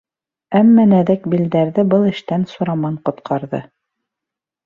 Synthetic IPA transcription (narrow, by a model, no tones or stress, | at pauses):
æmːænæðɘkbild̪æɾðɘbɤlˠɘ̆ʃt̪ænsŭɾɑmɑɴqŏt̪qʰɑɾðɤ̰